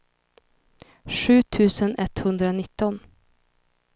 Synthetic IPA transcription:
ʂʉ̟ːt̪ʰʉ̟ːsənɛt̪hɵnd̪ɾanɪt̪ːɔn

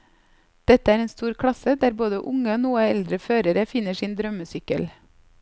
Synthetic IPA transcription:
d̪̥ɛt̪əæːɾeːnst̪uːɾkʰɽɑsəd̪æːɾboːd̪əʔʊŋəoːnuːəɛld̪ɾəføːɾəɾəfɪnəsiːnd̪ɾœməsʏkə̰l

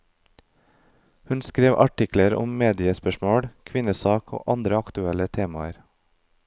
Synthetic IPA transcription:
hʉnskɾeːʋʔɑʈɪkləɾʊ̰mmeːd̪ɪəspœʃmoːɽkʰʋɪnəsɑːkʰo̰ːʔɑnd̪ɾəɑkt̪ʉɛlət̪ʰeːmɑə̰ɾ

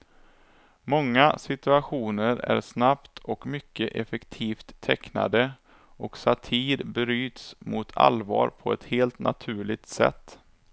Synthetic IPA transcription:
mɔŋːasɪt̪ɵaɧuːnəɾæ̰ɾsnapt̪ʰɔkmʏkːəʔɛfɛkt̪ʰiːft̪ʰːɛkna̰d̪ə | ʔɔksat̪ʰiːɾbɾyːt̪smʊt̪ʰa̰lvɑːɾpʰɔɛt̪heːlt̪na̰t̪ʰʉ̟ːɭɪɡ̚t̪sɛ̰t̪ː

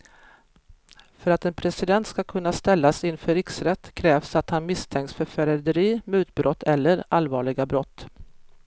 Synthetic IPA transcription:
fœɾat̪ɛnpʰɾɛsɪd̪ɛnt̪skakʰɵnːast̪ɛlːasɪnfœɾɪksɾɛt̪ːkʰɾɛːvsat̪hanmɪst̪ʰɛŋksfœɾfæɾɛd̪əɾiːmʉ̟ːt̪̚bɾɔt̪ʰːɛlːəɾalvɑːɭɪɡabɾɔt̪ː

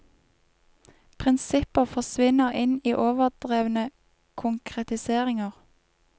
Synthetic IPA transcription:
pʰʁɪnsɪpəfɔsʋɪnəʁɪniːʔoːʋəʁd̪̥ʁeːʋnə | kʰʊŋkʰʁɛt̪ɪseːʁɪŋəʁ

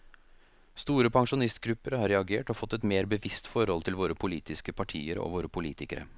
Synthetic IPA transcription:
st̪uːɾəpʰɑŋʂʊnɪst̪ɡɾʉpːəɾhɑɾɛɑɡeːʈɔfɔt̪ːɛt̪meːɾbəʋɪst̪fɔɾhɔlt̪ʰɪlʋoːɾəpʰʊliːt̪ɪskəpʰɑʈʰḭːəɾo̰ʋoːɾəpʰʊlḭːt̪ɪkəɾə̰

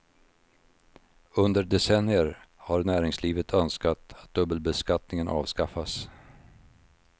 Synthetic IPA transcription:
ɵnd̪əɾɖɛsɛnɪəɾ | haɾnæːɾɪŋsliːvət̪ʰœnskat̪at̪̚d̪ɵbəlbɛskat̪nɪŋənʔɑ̰ːvskafas

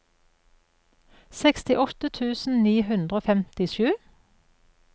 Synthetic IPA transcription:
sɛkst̪ɪʔɔt̪ət̪ʰʉːsn̩niːhʉnd̪ʁoːfɛmt̪ɪʃʉː

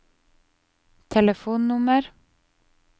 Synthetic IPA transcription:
t̪ʰɛləfuːnnʊməɾ

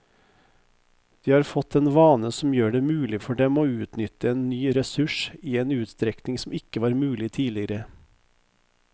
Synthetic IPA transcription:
d̪̥iːhɑːɾfɔt̪ɛːnʋɑːnəsɔm̩jøːɖeːmʉːlɪfɔɖɛmoːʉːt̪nʏt̪ːəeːnːyːɾɛsʉʂiːeːnʉːt̪st̪ɾɛknɪŋsɔmɪkːəʋɑːɾmʉːlɪt̪ʰiːlɪɾə

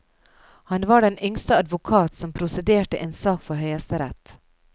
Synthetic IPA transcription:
hɑnʋɑːɖɛnʏŋst̪əɑd̪ʋʊkʰɑːt̪sɔmpʰɾʊsɛd̪eːʈəʔeːnsɑːkfɔɾhœʏɑst̪əɾɛt̪

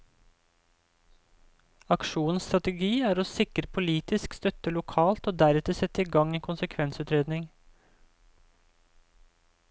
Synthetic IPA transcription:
ɑkʃuːnn̩st̪ɾɑt̪əɡiːæːɾoːsɪkɾəpʰʊliːt̪ɪskst̪œt̪əlʊkʰɑːlt̪oːd̪æɾɛt̪əsɛt̪ːɪɡɑŋeːnkʰʊnsəkʰʋɛnsʉːt̪ɾeːd̪nɪŋ

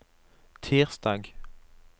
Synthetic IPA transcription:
t̪ʰiːʁsd̪ɑːɡ

